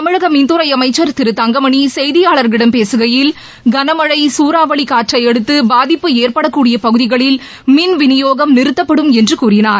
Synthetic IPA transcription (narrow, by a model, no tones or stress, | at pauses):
t̪ɐmɯɻɐɣɐmɪnd̪ɯɾɐɪɐmɐɪt͡ʃːɐɾt̪ɪɾɯt̪ɐŋɡɐmɐɳisɛjðɪjaːɭɐɾɡɪɽɐmpeːsɯɣɐjɪl | ɡɐnɐmɐɻɐɪsuːɾaːʋɐɭikaːʈrɐɪɛɽɯt̪ːɯbaːðɪpːɯeːɾpɐɽɐkːuːɽɪjɐpɐɣɯðɪɣɐɭɪl | mɪnʋɪnɪjoːɣɐmnɪɾɯt̪ːɐpːɐɽɯmɛndrɯkuːrɪnaːɾ